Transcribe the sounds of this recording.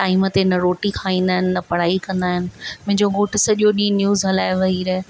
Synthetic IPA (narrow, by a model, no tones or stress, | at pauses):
ʈaːimət̪enɐɾoːʈikʰaːĩːnd̪aːɦɪnɪ̆nɐpɐɽ̤aːikɐ̃nd̪aːɦɪnɪ̆mɐ̃ɦɪ̃ɲd͡ʑoɡoːʈɪ̆sɐʄijoɗĩːnjuːzɦɐlaːɪʋɐɦiɾɐɦɪ